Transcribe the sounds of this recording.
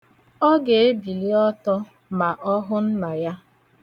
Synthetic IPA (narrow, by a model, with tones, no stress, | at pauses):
ɔ˦ɡe˨e˦bi˨li˦ɔ˦tɔ˦ | ma˨ʔɔ˦ɦʊ˦n̩˦na˨ja˦